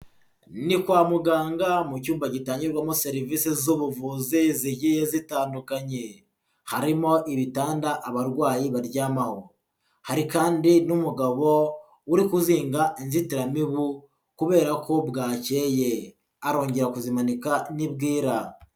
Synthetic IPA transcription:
nikwaːmuɡaːŋɡamucuːmbaɟitaːɲɟiɾɡwamose̞ɾiviːsizuβuvuziziɟijezitaːndukaɲe̞ | haɾimo̞ʔiβitaːndaʔːβaɾɡwaːjiβaɾɟaːmaho | haɾikaːndinumuɡaβo̞ | uɾikuziːŋɡainzitiɾamiβu | kuβe̞ːɾako̞bɡaːce̞ːje̞ | aɾo̞ːɲɟeɾakuzimanikanibɡiːɾa

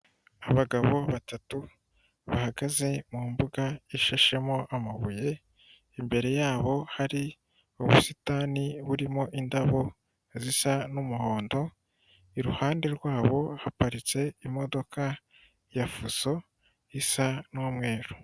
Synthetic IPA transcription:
aβaɡaβo̞βatatu | βahaɡaze̞mumbuɡaiʃaʃe̞mo̞ʔamaβuje̞ | imbe̞ɾe̞jaːβo̞haɾi | uβusitaːniβuɾimo̞ʔindaβo̞ | zisanumuho̞ːndo̞ | iɾuhaːnde̞ɾɡwaːβo̞hapaɾit͡se̞imo̞do̞ka | jafuso̞ | isanomŋe̞ːɾu̥

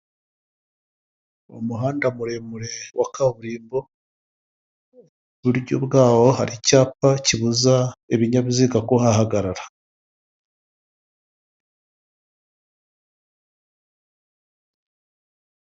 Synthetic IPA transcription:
ṵmuɦaːndamuɾemuɾe̞wakaβuɾiːmbo̞ | βuɾɟobɡaːwo̞haɾicaːpaciβuzaeβiɲaβiziːɡakohahaɡaɾaɾa

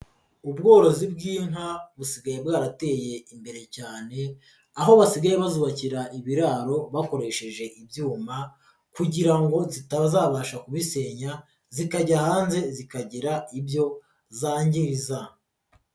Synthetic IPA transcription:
ubɡo̞ːɾo̞zibɡiːn̥haβusiɡajebɡaːɾate̞je̞imbe̞ɾe̞caːne̞ | aɦo̞βasiɡajeβazuβaciɾaʔiβiɾaːɾo̞βako̞ɾe̞ʃe̞ʒe̞ʔibjuːma | kuɟiɾaŋɡo̞zitaβzaːβaʃakuβise̞ːɲa | zikaɟahaːnze̞zikaɟiɾaibjo̞ | zaːɲɟiɾiza

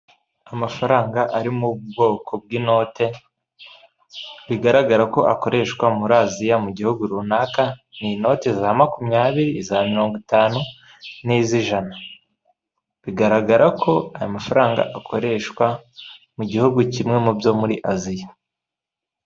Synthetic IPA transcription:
amafaɾaːŋɡaʔaɾimubɡo̞ːkʰo̞b̚ɡiːno̞ːte̞ | βiɡaɾaɡaɾako̞ʔako̞ɾʔe̞ʃkwamuɾazijamuɟihuɡuɾunakanino̞te̞zamakumɲaːβiɾizamiɾo̞ːŋɡotaːnu | niziʒana | βiɡaɾaɡaɾakʰo̞ajamafaɾaːŋɡa̰ʔakʰo̞ɾe̞ʃkwa | muɟihuɡucimŋe̞mubjo̞ːmuɾiʔazija

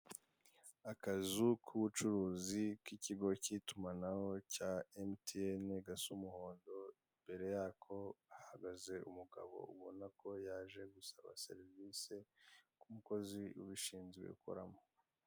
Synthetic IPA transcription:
akazukʰuβut͡ʃuɾuːzikiciɡo̞citumanahocaemtʰeeneɡasumuho̞ːndo̞imbe̞ɾe̞jaːkʰo̞ahaɡaze̞umuɡa̰βo̞̰uβonakʰo̞jaːʒe̞ɡusaβa̰se̞̰ɾviːse̞kumuko̞ziṵβiʃiːnzɡwḛukʰo̰ɾamo

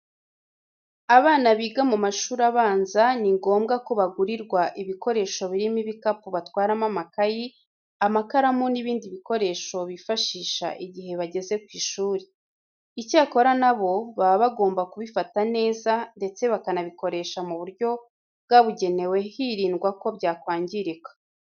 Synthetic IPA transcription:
aβaːnaβiːɡamumaʃuːɾaβaːnzaniŋɡo̞ːmɡako̞βaɡuɾiɾɡwaʔiβiko̞ɾe̞ːʃo̞βiɾimiβikapuβatwaːɾamamakaji | amakaɾamoniβiːndiβiko̞ɾe̞ːʃo̞βifaʃiːʃa̰ʔiɟihe̞βaɟe̞ze̞kwiːʃuːɾe | icaːko̞ɾanaβo̞βaβaβaɡo̞ːmbakuβifatane̞ːzande̞t͡se̞βakanaβiko̞ɾe̞ʃamuβuɾɟo̞ | bɡaβuɟe̞ne̞we̞hiɾiːnɡwako̞βɟaːkwaːɲɟiɾikḁ

